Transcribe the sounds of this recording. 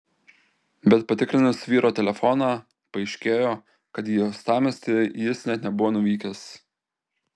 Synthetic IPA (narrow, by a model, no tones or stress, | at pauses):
bʲɛt̪pɐt̪ʲɪkɾʲɪnʊsʋʲiːɾʔoːt̪ʲɛlʲɛfɔnɑː | pɐɪʃʲkʲeːjoː | kɐt̪jiːjoːst̪ɑːmʲɛsʲt̪ʲɪjɪsnʲɛt̪nʲɛbʊʋoːnʊʋʲiːkʲɛs